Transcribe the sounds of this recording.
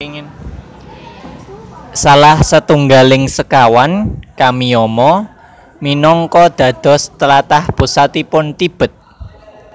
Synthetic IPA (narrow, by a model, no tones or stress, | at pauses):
n | salahsət̪uŋɡalɪŋsəkawankamiɔmɔ | minɔŋkɔd̪̥ä̤d̪̥ɔ̤st̪əlat̪ahpusat̪ipʊnt̪ib̥ə̤t̪̚